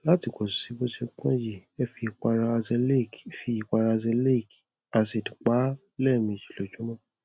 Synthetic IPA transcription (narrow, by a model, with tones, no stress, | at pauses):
la˦ti˨˧˨kɔ˨ssi˨˦bo˦ʃe˧kã˦d͡ʒi˨ɛ˧fi˧i˧k͡pa˧ɾa˧zɛ˧le˦˨kfi˧i˧k͡pa˧ɾa˧zɛ˧le˦i˨k | a˧se˨dk͡pa˨˦ | lɛ˦˨mĩ˨d͡ʒi̥˨lo˨d͡ʒũ˨˦mã˦˨